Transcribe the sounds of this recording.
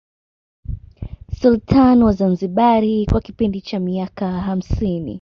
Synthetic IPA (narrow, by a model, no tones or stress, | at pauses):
sultʰanwazanziɓaɾikwakipindit͡ʃamiakaɦam̩sinḭ